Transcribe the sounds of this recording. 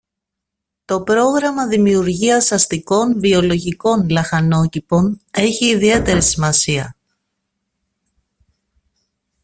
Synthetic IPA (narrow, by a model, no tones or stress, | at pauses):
t̪o̞pɾo̞ɣɾɐmɐðimiuɾʝiɐsɐst̪iko̞nvio̞lo̞ʝiko̞nlɐxɐno̞cipo̞ne̞çiːðie̞t̪e̞ɾisimɐsiɐ̰